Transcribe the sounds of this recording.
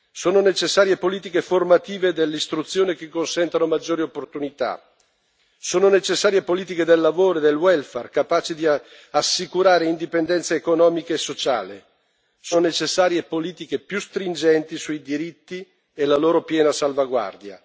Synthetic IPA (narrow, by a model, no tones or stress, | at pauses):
soːnonet͡ʃesːaːɾjepoliːt̪ikeformat̪iːved̪elːist̪ɾut̪sːjoːnek̟ekːonsɛnt̪anomad͡ʒːoːɾiopːort̪unit̪a̰ | soːnonet͡ʃesːaːɾjepoliːt̪̬iked̪elːavoːɾoed̪elwɛlferkapaːt͡ʃid̪i | asːikuɾaːɾeind̪ipend̪ɛnt̪saekonɔːmikeesːot͡ʃa̰ːle | soːnonet͡ʃesːaːɾjepoliːt̪ikepjust̪ɾind͡ʒɛnt̪isuid̪iɾit̪ːi | elaloːɾopjɛːnasalvaɡwa̰rd̪ja̰